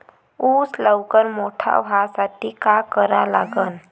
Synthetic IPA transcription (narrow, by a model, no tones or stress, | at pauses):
usləwkəɾmoʈʰa̰ʋʱasaʈʰikakəɾalaɡən